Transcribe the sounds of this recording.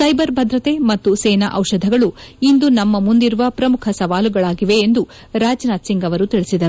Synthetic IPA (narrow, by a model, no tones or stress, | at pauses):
sɐjbɐɾbʱɐd̪ɾɐt̪e̞mɐt̪ːuseːna̰ʔɐwʃɐd̪ʱɐɡɐɭuind̪unɐmːɐmund̪iɾuʋɐpɾɐmukʰɐsɐʋaːluɡɐɭaːɡiʋe̞ːnd̪u | ɾaːd͡ʒnaːt̪siŋɡɐʋɐɾut̪iɭisid̪ɐɾu